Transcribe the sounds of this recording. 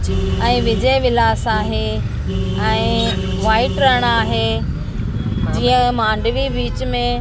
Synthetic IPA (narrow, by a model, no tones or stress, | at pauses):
ɛ̃ːʋɪd͡ʑəjʋɪlaːsaːɦe | ɛ̃ː | ʋaːɪʈɾɐɦɽ̃aːɦe | d͡ʑiːə̃mãːɳɖʋibiːt͡ɕmẽ